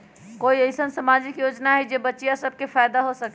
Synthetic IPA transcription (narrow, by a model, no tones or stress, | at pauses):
koiəjsənsamad͡ʒikjod͡ʒnaɦɛd͡ʒebətːʃijasəb̚ʱkefʰajd̪aɦosək